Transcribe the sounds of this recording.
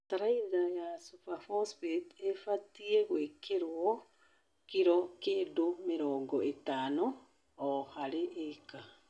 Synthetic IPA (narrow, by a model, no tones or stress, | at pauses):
taɾaiðajasupafɔspetefatieɣwekeɾwɔ | kiɾɔkeːndomeɾɔːŋɡɔetaːnoː | haɾeʔeka